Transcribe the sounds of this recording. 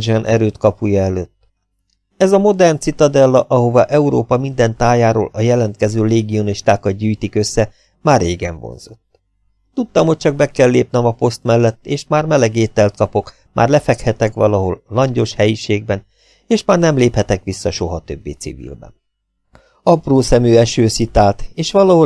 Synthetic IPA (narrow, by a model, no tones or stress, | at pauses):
d͡ʒɛnʔɛɾøːt̪kɒpujɒɛløːt̪ː | ɛzɒmo̞d̪ɛrnt̪sit̪ɒd̪ɛlːɒʔɒɦo̞vɒʔɛuɾoːpɒmind̪ɛnt̪aːjaːɾo̰ːlɒjɛlɛnt̪̚kɛzøːleːɡio̞niʃt̪aːkɒd̪̚ɟyːjt̪ikø̞sːɛ | maːrːeːɡɛɱvo̰nz̥o̞̰t̪ː | t̪ut̪ːɒmhoc̚t͡ʃɒɡ̚bɛkɛlːḛːp̚nɛmɒpo̞st̪mɛlːɛt̪ːeːʃmaːrmɛlɛɡeːt̪ɛlt̪̚kɒpo̞k | mʔa̰ːrlɛfɛkhɛt̪ɛkʋɒlɒɦo̞lːɒɲɟo̞ʃhɛjiʃeːɡ̚bɛn | eːʃmaːrnɛmleːphɛt̪ɛkʋisːɒʃo̞ɦɒt̪ø̞̰bːḛːt̪sḭvḭlbɛ̰n | ɒproːsɛmyːɛʃøːsit̪aːlt̪eːʃʋɒlɒɦo